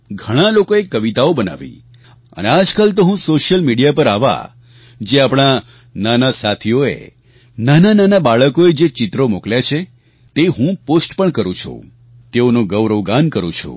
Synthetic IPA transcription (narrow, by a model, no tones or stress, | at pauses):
ɡʱəɽ̃alokoekːəʋit̪aobəna̰ʋḭ | ə̰nead͡ʒkalt̪oɦũsoʃjəlmiɽijapəɾaʋa̰ | d͡ʒeapɽ̃a | nanasat̪ʰioḛ | nanananabaɭəkoed͡ʒet͡ʃɪt̪ɾomokljat͡ʃʰe | t̪eɦũposʈpəɳkəɾũt͡ʃʰṵ̃ | t̪eonũɡəʋɾəʋɡankəɾṵ̃t͡ʃʰṵ